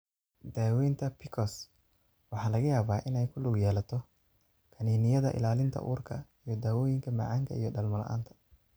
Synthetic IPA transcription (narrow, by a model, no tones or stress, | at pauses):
d̪aːwɛjnt̪ʰɐpʰɪkʰɔs | wɑħɑːlɐɣɐjaːβaːʔɪnɛjkʰʊlʊɡjɛːlɐt̪ʰɔ | kʰɐniːnɪjɐðɐ̰ʔɪ̰laːlɪnt̪ʰɐ̰ʔṵːrkʰɐ̰ijɞd̪aːwɔːjɪŋkʰɐmɐ̰ʕɑːŋkʰɐijɞɖɐlmɐlɐ̰ʔa̰ːnt̪ʰɐ̥